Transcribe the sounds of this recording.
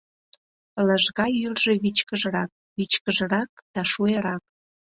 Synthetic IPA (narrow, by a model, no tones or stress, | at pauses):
ləʒɣɑjylʒeβit͡ɕkəʒə̆ɾɑk̚βit͡ɕkəʒə̆ɾɑk̚d̪̥ɑʃueɾɑk̚